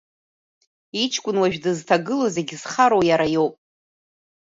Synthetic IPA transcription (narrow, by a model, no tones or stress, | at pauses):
it͡ʃʰkʷʼʊnwaʒᶣdɨztʰaɡɨlozeɡʲz̥χaɾowjaɾajo̞wpʼ